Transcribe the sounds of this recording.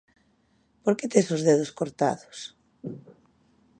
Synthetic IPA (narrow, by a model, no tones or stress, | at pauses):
poɾket̪esozðeð̞oskoɾt̪a̰ðo̥s